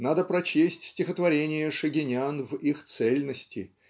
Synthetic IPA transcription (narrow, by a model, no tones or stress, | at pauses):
nad̪əpɾɐt͡ɕesʲtʲsʲtʲɪxət̪vɐɾʲenʲɪjəʂɨɡʲɪnʲanvixt̪sɛlʲnəsʲtʲɪ